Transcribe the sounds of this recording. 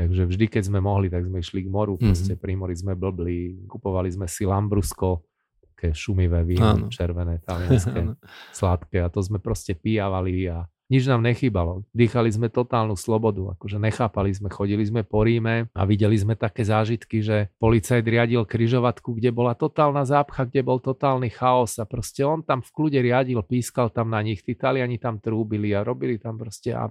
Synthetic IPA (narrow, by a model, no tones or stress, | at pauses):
t̪aɡʒɛvʒd̪ikɛɟzmɛmɔɦlit̪aɡzmɛiʃliɡmɔɾupɾɔscɛpɾimɔɾizmɛbl̩blikupɔʋalizmɛsilambɾuskɔ | ḁkɛːʃumiʋɛːʋiːnɔ̰t͡ʃɛɾʋɛnɛːt̪alianskɛslat̪kɛat̪ɔzmɛpɾɔscɛpijaʋalia | ɲid͡ʒnaːmɲɛxiːbalɔd̪iːxalizmɛt̪ɔt̪aːlnuslɔbɔd̪ua̰kɔʒɛɲɛxaːpalizmɛxɔɟilizmɛpɔɾiːmɛa̰ʋiɟɛlizmɛt̪akɛːzaːʒit̪kiʒɛpɔlit͡sajd̪ɾɪaɟilkɾiʒɔʋat̪kuɡɟɛbɔlat̪ɔt̪aːlnazaːpxaɡɟɛbɔlt̪ɔt̪aːlnixaɔsapɾɔscɛɔnt̪amfkluɟɛɾɪaɟilpiːskalt̪amnaɲixt̪it̪alɪaɲit̪amt̪ɾuːbiliaɾɔbilit̪ampɾɔscɛa̰